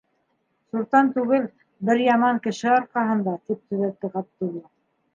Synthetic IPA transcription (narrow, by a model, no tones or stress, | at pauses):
suɾt̪ɑnt̪ʉɡɘl | bɘɾjɑmɑŋkɘ̆ʃɘɑɾqɑɦɤ̆nd̪ɑt̪ip̚t̪ɵ̆ðæk̚t̪ːɘqɑp̚t̪ulˠːɑ